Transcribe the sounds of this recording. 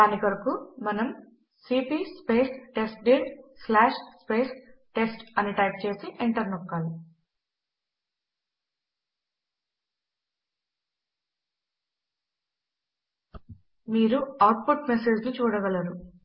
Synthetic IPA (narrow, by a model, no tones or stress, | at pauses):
aːnikɐɾɐkumɐnɐm | siːpiːspe̞ːsʈesʈ̚ɖiɖslaːʃʂspe̞ːsʈe̞sʈɐniʈɐjp̚t͡ʃe̞ːsiʔeɳʈɐɾnɔkːaːli | miːɾuaːʈ̚puʈmese̞ːd͡ʒlut͡ʃuːɽɐɡɐlɐɾu